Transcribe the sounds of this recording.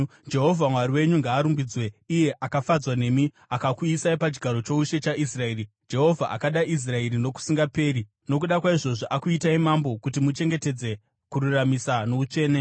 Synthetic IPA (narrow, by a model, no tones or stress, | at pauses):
d͡ʒe̞ɦo̞vʱamwaɾiwe̞ɲuŋɡaːɾumbid͡zwe̞ije̞ʔakafad͡zwane̞ːmi | akakwiːsaipat͡ʃi̥ɡʱaɾo̞t͡ʃo̞uʃe̞t͡ʃaʔis̬rae̞ːɾi | d͡ʒe̞ɦo̞vʱaʔa̰kaɗaʔis̬rae̞ɾino̞ku̥siŋɡape̞ːɾi | nokuɗakwaiʐo̞ʐoʔakuitaimambo̞kutimut͡ʃe̞ŋɡe̞te̞d͡ze̞ | kuɾuramisano̞ut͡ʃe̞ːne̞